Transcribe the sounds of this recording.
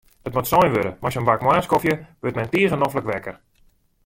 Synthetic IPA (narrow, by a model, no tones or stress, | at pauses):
ətmotsɔjnʋøɾəmaɔsənbakmwaːskofjəʋøtmɛjntiəɣənɔfləkʋɛkər